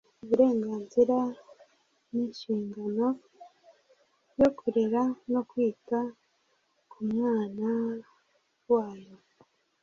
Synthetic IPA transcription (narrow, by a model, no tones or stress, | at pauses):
uβuɾe̞ːŋɡaːnziɾa | ninʃiːŋɡano̞ | jo̞kuɾeɾano̞kwiːta | kʰumŋaːna | waːjo